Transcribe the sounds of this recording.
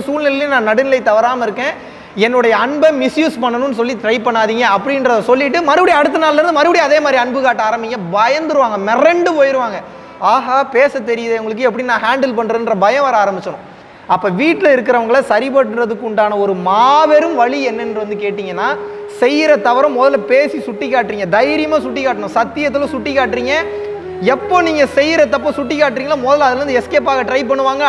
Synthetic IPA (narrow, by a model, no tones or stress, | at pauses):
suːlnɪlɐlẽnãːnɐɽɯnɪlɐɪt̪ɐʋɐɾaːmɐɪɾɯkːẽː | ɛnːɯɽɐjɐːɳbɐmɪsjuːspɐɳːɐnʊ̃nːɯs̬ɔlːiʈɪɾɐɪpɐɳːaːðiːŋɡɐɐpːɐɽɪnɾɐðɐsɔlːɪʈːɯmɐɾɯpɐɽiɐɽɯt̪̬ːɐnaːlɐɐɾɯnd̪ɯmɐɾɯʋɐɽiɐðeːmaːd̪ɾiɐɳbɯkaːʈːaːɾɐmbɪŋɡɐbɐjɐnd̪ɯɾɯʋaːŋɡɐmɛrɛɳɖɯpoːjɪɾɯʋaːŋɡɐ | aːɦaːpeːsɐt̪ːɛɾɪjɐðeʊŋɡɐɭɯkːɯɛp̬ːɐɽɪinãːɦaːɳɖɛlpɐɳːɾɐnrɐbɐjɐ̃ʋɐːɾaːɾɐmbɪt͡ʃːɐɳʊ̃ | ɐpːoːʋiːʈːlɐɪɾɯkːɪɾɐʋɐŋɡɐɭɐsɐɾip̬ɐʈːɯnrɐðɯkːʊɳɖaːnɐɔɾɯmaːʋɛɾɯmʋɐɭiɛnːɛnɯʋɐnd̪ɯkeːʈːiːŋɡɐnːaː | sɛjɪɾɐt̪ɐʋɐɾɐ̃mːɔðɐlpeːsisʊʈːikːaːʈːɾiːŋɡɐd̪ɐjɾɪjɐmaːsʊʈːikːaːʈːɐɳʊ̃sɐt̪ːɪjɐt̪ːɯlɔ̃sʊʈːikːaːʈːɾiːŋɡɐ | ɛpːoːniːŋɡɐsɛjːɪɾɐt̪ːɐp̬ːoːsʊʈːikːaːʈːɾiːŋɡɐlaːmɔðɐlɐðɐlɾɯnd̪ɯɛskeːpaːɣɐʈɾɐɪp̬ɐɳːɯʋaːŋɡɐ